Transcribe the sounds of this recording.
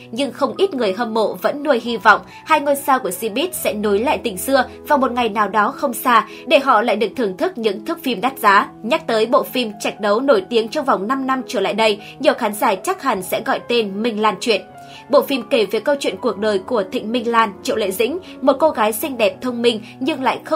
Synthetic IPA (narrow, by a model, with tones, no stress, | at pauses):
ɲɨ˧ŋxə˧wŋ͡mʔi˦˥t̚ŋɨ˨˩əjɦə˧mːo̰˧˨və̰˧˥nːu˧əjɦi˧vɔ̰˧˨wŋ͡m | haː˧jŋo˧jsaː˧ku˧˩əsi˧ɓi˦˥t̚sɛ̰˧˥no˨˦jla̰ː˧˨jt̪ï˨˩ŋ̟sɨ˧əvaː˨˩mo˨˩t̚ŋa˨˩jnaː˨˩wɗɔ˨˦xə˧wŋ͡msaː˧ | ɗe˧˩ɦɔ̰˧˨la̰ː˧˨jɗɨ˨˩ək̚t̪ɨ˨˩əŋt̪ʰɨ˦˥k̚ɲɨ̰˧˥ŋt̪ʰɨ˦˥k̚fi˧mɗa˦˥t̚zaː˨˦ɲa˦˥k̚t̪əː˨˦jɓo̰˧˨fi˧mt͡ɕa˨˩jk̟̚ɗə˨˦wno˧˩jt̪i˨˦əŋt͡ɕɔ˧wŋ͡mva˨˩wŋ͡mna˧mna˧mt͡ɕəː˧˩la̰ː˧˨jɗə˧j | ɲi˨˩əwxaː˨˦nzaː˧˩t͡ɕa˦˥k̚ha˨˩ŋ̟sɛ̰˧˥ɣɔ̰˧˨jt̪e˧nmï˧ŋ̟laː˧˩nt͡ɕwḭ˧˨ən | ɓo̰˧˨fi˧mke˧˩veː˨˦jkə˧wt͡ɕwḭ˧˨ənku˨˩ək̚ɗəː˨˩jku˧˩ət̪ʰḭ̈˧˨ŋ̟mï˧ŋ̟laː˧˩nt͡ɕḭ˧˨wlḛ˧˨zḭ̈˧˥ŋ̟ | mo˨˩t̚ko˧ɣaː˨˦jsï˧ŋ̟ɗɛ˨˩p̚t̪ʰə˧wŋ͡mmï˧ŋ̟ | ɲɨ˧ŋla̰ː˧˨jxə˧